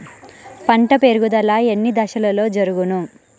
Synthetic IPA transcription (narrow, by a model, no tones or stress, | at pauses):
pɐɳʈɐpeːɾuɡud̪ɐlaːenːid̪ɐʃɐlɐlo̞ːd͡ʒɐɾuɡunu